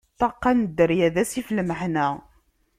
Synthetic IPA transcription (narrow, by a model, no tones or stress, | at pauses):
t̪ˤːɑqːænd̪ːəɾjæðæsiflməħnæ